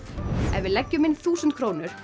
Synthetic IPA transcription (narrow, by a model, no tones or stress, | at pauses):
ɛ̰nvɪlɛcːʏmɪnθuːsʏnt̪kʰɾoːwnʏɾ̥